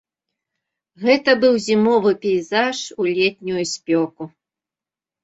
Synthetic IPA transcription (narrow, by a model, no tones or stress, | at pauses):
ɣɛt̪ɐbɨwzʲimɔvɨpʲɛizaʂulʲɛt̪̚ʲnʲujusʲpʲɔku